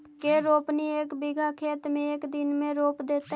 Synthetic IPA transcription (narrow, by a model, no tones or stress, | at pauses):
keɾoːpnieːkbɪɡʱakʰeːt̪mẽeːkd̪ɪnmẽɾoːpd̪eːt̪